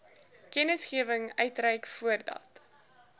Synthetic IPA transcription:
kɛnəsχiəvəŋœɥtrɛjkfuərdɑ̰t

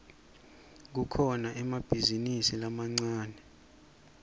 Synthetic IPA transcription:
k̬ukʰɔnaʔɛmab̥ʱizinisilamaŋ͡ǀaːnɛ

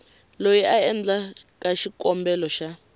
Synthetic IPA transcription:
lojiʔaɛnd͡ɮakʼaʃikʼɔmbɛlɔʃa

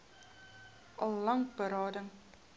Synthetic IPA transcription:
ɑlˠːɑŋk̚bəɾɑːdəŋ

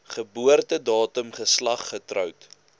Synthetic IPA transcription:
χəbuərtədɑːtəmχəslɐχːətrœwt

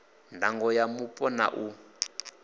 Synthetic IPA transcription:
ndʱaŋɡɔjamupʼɔna̰ʔu

